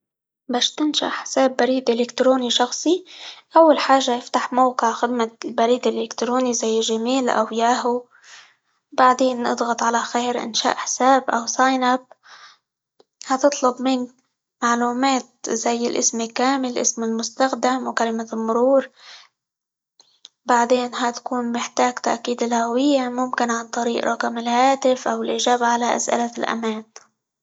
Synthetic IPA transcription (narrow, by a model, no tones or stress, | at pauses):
baːʃt̪ɪnʃa̰ʔħɪ̥saːbːaɾiːd̪ʔɪlɪkt̪ɾoːniʃɑxsˤiʔawːalħaːʒːajɪft̪aħmawqɨʕxɪd̪malbaɾiːd̪ɪlʔɪkt̪ɾoːnizajːʒamiːlʔa̰wjaːɦu | baʕd̪eːnʔɨ̰d̪ˤɣɑt̪ˤʕalaxeːɾʔɪ̰nʃa̰ːʔħsaːbʔawsɑjnʔab | hɑt̪ɨt̪ˤlʊbmɪn | maʕluːmaːt̪̚zajːɪlʔɪ̰smɪlkaːmɪlʔɪ̰smɪlmʊst̪axd̪amwkalɪmamʊɾuːɾ | baʕd̪eːnɦat̪ḁkuːnmɪħt̪aːɡt̪a̰ʔkiːd̪ɪlhawɪjːamʊmkɪnʕant̪ˤɑɾiːʔɾˤɑkamɪlhaːt̪ɪfʔawɪlʔɪʒaːbaʕalaʔa̰sʔɪ̰lalʔa̰maːn